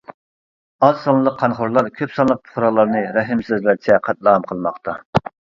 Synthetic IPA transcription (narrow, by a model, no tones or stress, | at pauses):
ɑz̥sɑnɨlˠəqʰːɑnχʊɾlˠɑɾkʲʰøpsɑnˠlˠəq̚pʰʊ̥χɾɑlˠɑɾnɨɾɛɦɪmsøzlæɾt͡ʃʰɛqʰɑt̪̚lˠəʁɑmqʰəlˠmɑqt̪ʰɑ